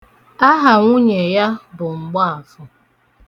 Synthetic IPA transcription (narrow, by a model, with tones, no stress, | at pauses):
a˦ɦa˨ŋʷu˦ɲe˨ja˦bʊ˨ŋ͡m̩˨ɡ͡bɔ˦a˨fʊ˦